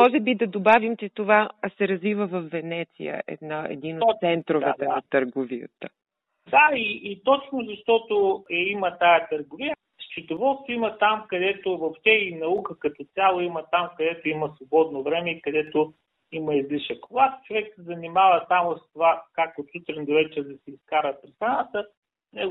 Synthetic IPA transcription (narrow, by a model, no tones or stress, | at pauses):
mɔʒɛbid̪ɐd̪obavimt͡ʃɛt̪ovasɛɾɐzvivəvɐfːɛnɛt̪sḭjə̰ʔɛ̰d̪naɛ̰d̪inott̪sɛnt̪ɾovɛt̪ɛnɐt̪əɾɡovijə̰t̪ə | d̪aiʔːt̪ɔt͡ʃnozɐʃt̪ɔt̪oɛimət̪ajət̪əɾɡovijə | st͡ʃit̪ovɔst̪oimət̪amkɐd̪ɛt̪ovoft̪ɛinɐukəkɐt̪ɔtsʲalˠoimət̪amkɐd̪ɛt̪oiməsvobɔd̪novɾɛmɛikɐd̪ɛt̪o | imɐizliʃəkːvoɡat̪t͡ʃovɛksɛzɐnimavəsamost̪ovakak̚t̪ot̪sut̪ɾind̪oɾɛt͡ʃɛd̪ɐsɛiskaɾəpɾisɾanat̪ə | nɛ